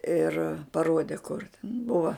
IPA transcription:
ɪr pɐˈroːdʲɛ kʊr ˈbʊʋɐ

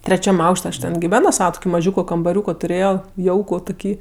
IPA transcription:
tʲrʲɛˈt͡ʃʲɛm ˈɐʊkʃʲtʲ ɐʃ tʲɛn ɡʲɪˈʋʲæːnoː ˈsɑːʋɐ tʊˈkʲiː mɐˈʒʲuːkoː kɐmbɐˈrʲuːkoː tʊˈrʲeːjoː ˈjɛʊkʊ tʊˈkʲiː

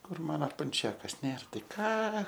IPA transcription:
ˈkʊr ˈmɑːnɐ pɐnʲˈt͡ʃʲæːkɐs ˈnʲeːr ˈtɐɪ ˈkɑː

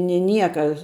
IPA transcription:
nʲɪ ˈnʲiɛkɐ

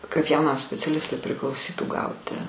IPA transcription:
kɐɪp jɛʊˈnɐm sʲpʲɛt͡sʲɛˈlʲɪstʊɪ pʲrʲɪklˠɐʊˈsʲiːtuː ˈɡɐʊtʲɪ

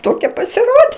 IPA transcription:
ˈtoːkʲɛ pɐsʲɪˈroːdʲeː

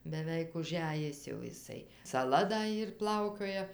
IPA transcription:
bʲɛˈʋʲɛɪk ʊˈʒʲæjɪs jɛʊ ɪˈsɐɪ sɐˈlˠɐ dɐ ˈiːr ˈplˠɐʊkʲoːjɛ

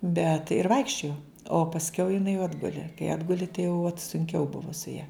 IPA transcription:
bʲɛt ɪr ˈʋɐɪkʃʲt͡ʃʲoːjoː oː pɐsʲˈkʲɛʊ jɪˈnɐɪ jɛʊ ˈɑːdɡʊlʲɪ kɐɪ ˈɑːdɡʊlʲɪ tɐɪ jɛʊ ʋɐt sʊŋʲˈkʲɛʊ ˈbʊʋʊ sʊ jɛ

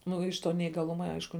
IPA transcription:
ˈnʊ ɪʃ ˈtoː nʲɛiːɡɐˈlˠʊmɐ ˈɐɪʃkʊ

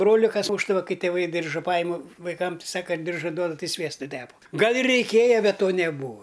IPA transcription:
ˈbroːlʲɪ kɐs ˈmuːʒdɐʋɐ ˈkɐɪ tʲeːˈʋɐɪ ˈdʲɪrʒɐ ˈpɑːjɪmʊ ʋɐɪˈkɐm ˈsɑːkɐ ˈdʲɪrʒɐ ˈduɔdɐ ˈtɐɪ ˈsʲʋʲiɛstʊ ˈtʲæːpɐ ˈɡɐlˠ ɪr rʲɛɪˈkʲeːjɛ bʲɛt ˈtoː nʲɛˈbuːɐ

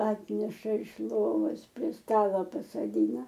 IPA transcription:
ˈɑːtʲnʲɛʃɐ ɪʃ ˈlˠoːʋoːs pʲrʲiɛ ˈstɑːlˠoː pɐsɐˈdʲiːnɐ

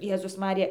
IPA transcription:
ˈjeːzʊs ˈmɑːrʲɪjɛ

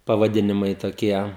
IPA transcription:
pɐʋɐˈdʲɪnʲɪmɐɪ toːˈkʲiɛ

